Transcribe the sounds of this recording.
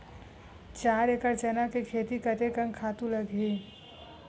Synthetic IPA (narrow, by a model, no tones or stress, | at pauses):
t͡ʃaːɾekəɾt͡ʃɛnakekʰeːt̪ikət̪ekənkʰaːt̪ũləɡʱɦeː